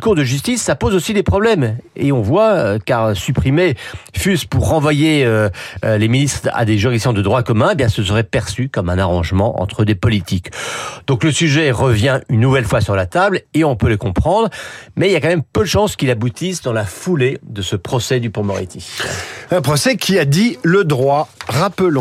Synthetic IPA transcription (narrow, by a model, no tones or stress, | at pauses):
kuʁd̪əʒys̬t̪isːapozosid̪epχɔblɛmḛɔ̃vwaøkaʁsypχimefyspuʁːɑ̃vwajeøleminist̪χa̰d̪eʒyʁisjɑ̃d̪əd̪ʁwakɔmɛ̃ebjɛ̃səs̬əʁɛpɛʁsykɔmɛ̃naʁɑ̃ʒmɑ̰̃ʔɑ̰̃t̪χəd̪epɔlit̪ikd̪̥ɔ̃kləsyʒɛʁəvjɛ̃ynːuvɛlfwasyʁlat̪ableɔ̃pøləkɔ̃pχɑ̃d̪ʁmɛiljakɑ̃mɛmpød̪əʃɑ̃skʲilabut̪isd̪ɑ̃lafuled̪əsəpχɔsɛd̪ypumɔʁḭt̪ʰiɛ̃pχɔsɛkʲiad̪iləd̪ʁwaʁapəlɔ̃